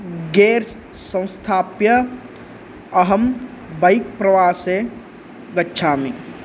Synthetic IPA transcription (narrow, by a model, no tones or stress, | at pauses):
ɡeːɾs | sə̃w̃st̪ʰaːpjɐ | ɐɦəmbəik̚pɾɐʋaːse | ɡɐtːʃʰaːmi